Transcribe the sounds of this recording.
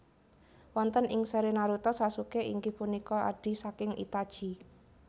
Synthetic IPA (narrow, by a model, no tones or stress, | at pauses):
wɔnt̪ənʔɪŋsəɾenaɾut̪ɔsasukeiŋɡɪhpunikɔa̰ɖ̥i̤sakɪŋḭt̪ad̥ʒ̥i̤